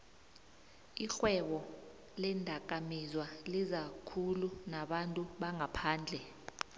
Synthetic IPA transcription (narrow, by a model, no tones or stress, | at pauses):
iɬwɛɓɔ | lɛndʱak̬ʼamizwalizakʰulunaɓantʼuɓaŋʱapʰaːnd͡ɮʱɛ